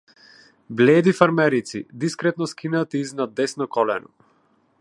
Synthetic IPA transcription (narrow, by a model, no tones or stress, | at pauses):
blɛːd̪ifaɾmɛɾit̪sḭd̪iskɾɛt̪̚nɔskinat̪iːznad̪ːɛsnɔkɔlɛnɔ̰